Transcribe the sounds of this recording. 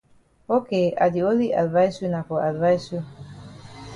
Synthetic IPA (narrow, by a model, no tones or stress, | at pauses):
okeʔa̰d̪ioliʔa̰dvajsunakoʔad̪vajsu